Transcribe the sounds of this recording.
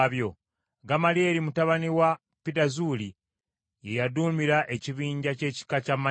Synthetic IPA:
βjo̞ | ɡamalie̞ɾimutaβaniwa | pidazuːli | je̞jaduːmiɾaʔe̞ciβiːɲɟace̞ːci̥kacama

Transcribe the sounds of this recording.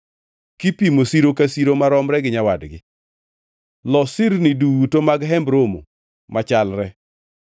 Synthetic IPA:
kipimosiɾokasiɾomaɾɔmɾɛɡɪɲawadɡɪ | lɔsɪɾnɪduwutomaɡɦɛmbɾomo̰ | mʔat͡ʃalɾɛ

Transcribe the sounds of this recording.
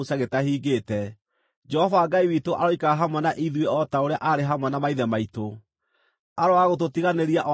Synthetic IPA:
osaɣetahiːɡeːtɛ | d͡ʒɛhɔvaːɡaiwitoʔaɾɔikaɣaɦamwɛnaʔiðweɔtaoɾeaʔaɾeɦamwɛnamaiðɛmaito | aɾoaɣot̬otiɣaneɾiaʔɔ

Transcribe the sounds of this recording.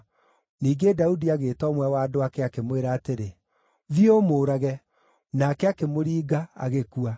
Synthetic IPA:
niːɡedaudiaɣeːtɔːmwɛwaːdoakɛakemweɾaːteɾe | ðiomoːɾaɣɛ | nakɛakemoɾiːɡaa̰ɣekua

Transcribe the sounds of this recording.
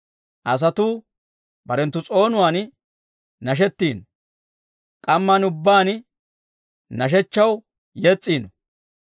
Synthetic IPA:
ʔɐs̬ɐt̪uː | bɐɾɛnt̪ːʊt͡sʼo̞ːnʊwaːn | nɐʃ̬ɛt̪ːiːnɔ | kʼɐmːɐnʊbːaːn | nɐʃ̬ɛt͡ʃːɐw | jet͡sʼːiːnɔ

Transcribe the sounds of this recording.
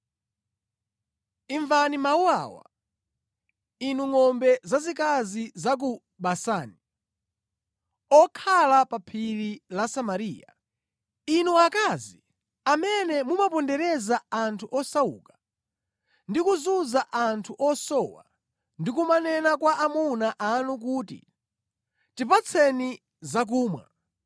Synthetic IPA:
iɱvanimaua̰wa̰ | inuŋɔmbɛzazikazizak̬u | ɓasaːni | ɔkʰalapapʰililasamaɾiːa | inuakazi | amɛnɛmumapɔndɛɾɛzaantʰuʔɔsaṵːkḁ | ndikuzuzaʔantʰuʔɔsɔwa̰ | ndik̬umanɛnakwaʔamunaʔanuk̬uːtḭ | tipat͡sʰɛni | zak̬uːmwa̰

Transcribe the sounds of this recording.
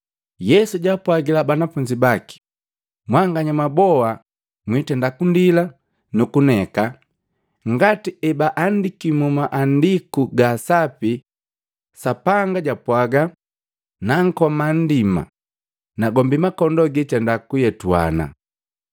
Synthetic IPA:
jɛsuɟapwaɡilabanafuɲd͡ʒibaki̥ | mwaŋɡaɲamabɔa | mwitɛndakundila | nukunɛka | ŋɡatiʔɛbaʔandikimumaʔandikuɡasapi | sapaŋɡaɟapwaɡa | naŋ̩kɔman̩dima̰ | naɡɔmbimakɔndɔɡitɛndakujɛtua̰na̰

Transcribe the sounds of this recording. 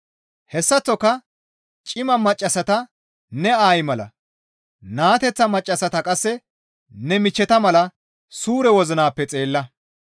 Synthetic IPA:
hɛsːɐt͡sːɔkːɐ | t͡ʃʼɪmɐmɐt͡ʃʼːɐsɐt̪ɐ | nɛaːjmɐlɐ̰ | naːt̪ɛt͡sːɐmɐt͡ʃʼːɐsɐt̪ɐkʼɐsːɛ | nɛmɪt͡ʃːɛt̪ɐmɐlɐ | suːɾɛwɔzɪnaːpːɛt͡sʼe̞ːlːɐ

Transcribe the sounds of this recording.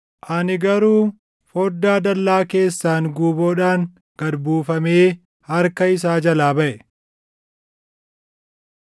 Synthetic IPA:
ʔɐnɪɡɐɾuː | foːd̪ːaːd̪ɐlːaːke̞ːsːaːŋɡuːboːᶑaːŋ | ɡ̥ɐd̪buːfɐmeː | hɐɾkɐɪs̬aːd͡ʒɐlaːbɐʔɛ

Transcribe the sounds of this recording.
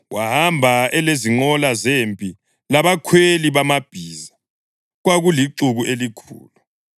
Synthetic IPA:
wahambʱaɛleziŋ͡ǃɔlazempʼi | laβakʰweliβamab̥ʱiːza | ɣwaɣuliǀuɣuʔelikʰṵːlu

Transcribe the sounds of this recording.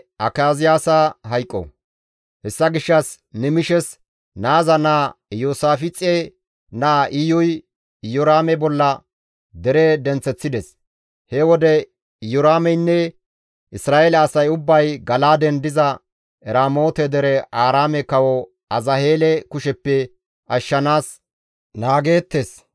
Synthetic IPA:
ʔɐkaːzɪjaːsaɦɐjkʼːɔ̰ | hɛsːɐɡɪʃːɐs | nɛmɪʃɛs | naːzɐnaːjoːsaːfɪt͡sʼːe | naːʔɪjʊj | jɔɾaːmɛbɔlːɐ | d̪ɛɾɛd̪ɛnt͡sːɛt͡sːɪd̪ɛs | hɛwɔd̪ɛ | jɔɾaːmɛjnːɛ | ʔɪsɾaːʔelɛɐsɐjʊbːɐjɡɐlaːd̪ɛnd̪ɪzɐ | ɛɾaːmo̞ːt̪ɛd̪ɛɾɛʔaːɾaːmɛkɐwɔ | ɐzɐhe̞ːlɛkʊʃɛpːɛ | ɐʃːɐnaːs | naːɡe̞ːt̪ːes

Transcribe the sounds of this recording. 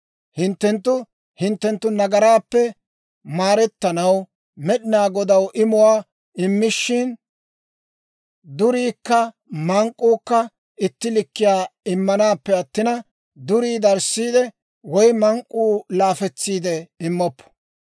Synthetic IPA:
hɪnt̪ːɛnt̪ːʊ | hɪnt̪ːɛnt̪ːʊnɐɡɐɾaːpːɛ | maːɾɛt̪ːɐnɐw | mɛɗɪnaːɡɔd̪ɐwʔɪmʊwaː | ɪmːɪʃːɪn | d̪ʊɾiːkːɐ | mɐŋkʼːuːkːɐ | ɪt̪ːɪlɪkːɪjaːɪmːɐnaːpːɛɐt̪ːɪnɐ | d̪ʊɾiːd̪ɐɾsːiːd̪ɛ | wɔjmɐŋkʼːuːlaːfɛt͡sːiːd̪ɛɪmːɔpːɔ̥

